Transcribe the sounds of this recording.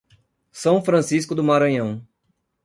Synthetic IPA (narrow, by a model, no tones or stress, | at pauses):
sɐ̃w̃fɾɐ̃siskʊd̪ʊmaɾɐ̃ɲɐ̃w̃